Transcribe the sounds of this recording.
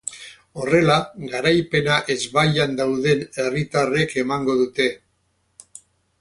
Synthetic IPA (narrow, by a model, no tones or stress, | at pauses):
o̞re̞laɣaɾajpe̞naʔe̞zβajand̪awðe̞ne̞rit̪are̞ke̞maŋɡo̞ðut̪e̞